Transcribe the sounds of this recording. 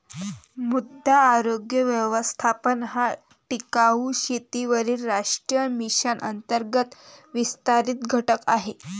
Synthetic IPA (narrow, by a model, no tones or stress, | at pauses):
mud̪ʱːaːɾoɡjəʋjəʋəst̪ʰapənɦa | ʈikauɕet̪iʋəɾiːlːaʂʈɾijəmiɕənʔə̰nt̪əɾɡət̪ʋist̪aɾiːt̪ɡʱəʈəkaɦe